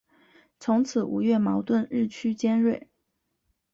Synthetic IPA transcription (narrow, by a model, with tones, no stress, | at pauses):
t͡sʰʊ˧˥ŋt͡sʰɹ̩˨˩ʔṵ˨˥˩ɥɛ˥˩mɑ˧˥ʊt̪wə˥˧nɻɻ̩˥˩t͡ɕʰy˥t͡ɕjɛ˥nɻwe˥˩ɪ